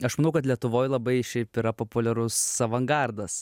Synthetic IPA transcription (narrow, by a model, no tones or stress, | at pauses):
ɐʃmɐnɐʊkɐt̪lʲiɛt̪ʊʋoːjlˠɐbɐɪʃʲɛɪpɪɾɐpoːpʊlʲɛɾʊsɐʋɐŋɡɐrd̪ɐs